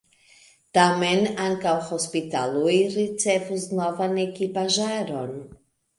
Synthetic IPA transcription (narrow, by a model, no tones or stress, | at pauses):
tame̞naŋkawho̞spita̰lujɾit͡se̞vusnovane̞kipaʒaɾo̞n